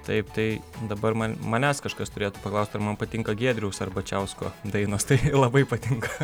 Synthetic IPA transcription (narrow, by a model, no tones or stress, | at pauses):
t̪ɐɪpt̪ɐɪd̪ɐbɐɾmɐnmɐːnʲæːskɐʃkɐst̪ʊɾʲeːt̪ʊpɐklˠɐʊst̪ɐɾmɐnpɐt̪ʲɪŋkɐɡʲiɛd̪ʲɾʲɛʊsɐɾbɐt͡ʃʲɛʊsko̰ːd̪ɐɪnoːst̪ɐɪlˠɐbɐɪpɐt̪ʲɪŋkɐ